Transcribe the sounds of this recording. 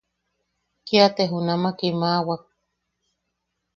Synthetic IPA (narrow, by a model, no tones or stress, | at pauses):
kiat̪eɦunamakimawak̚